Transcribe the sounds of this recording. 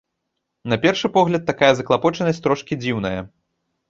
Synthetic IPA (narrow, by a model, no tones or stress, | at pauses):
nɐpʲɛrʂɨpɔɣlʲɐt̪ːakajɐzɐklˠapɔt͡ʂɐnɐsʲt̪ɾɔʂkʲid͡zʲiwn̪ɐjɐ